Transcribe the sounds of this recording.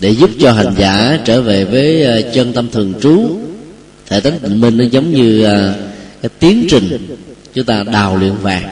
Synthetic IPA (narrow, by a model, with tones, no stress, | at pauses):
ɗe˧˩zu˦˥p̚t͡ɕɔ˧ɦa˨˩jŋ̟zaː˧˩t͡ɕəː˧˩ve˨˩vəː˨˦jt͡ɕə˧nt̪ə˧mt̪ʰɨ˨˩əŋt͡ɕu˨˦ | t̪ʰḛ˧˩t̪ʰŋ̟t̪ï˧˩ŋmï˧˩ŋ̟ʔa˨˦zə˨˦wŋ͡mɲɨː˧˨˩kaː˨˦˥jt̪i˨˦əŋt͡ɕï˨˩ŋ̟t͡ɕʊ˨˦ŋ͡mt̪aː˧ɗaː˨˩wlwḭ˧˨ənvaː˨˩ŋ̚